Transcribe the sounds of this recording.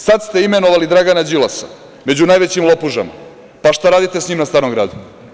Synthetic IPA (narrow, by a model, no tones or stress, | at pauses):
sad̪st̪e̞ime̞noʋalid̪ɾaɡanad͡ʑilˠasa̰ | me̞d͡ʑunaːjʋe̞t͡ɕimlopuʒa̰ma̰ | paʃt̪aɾaːd̪it̪e̞sɲiːmnast̪aːɾno̞mɡɾa̰ːd̪u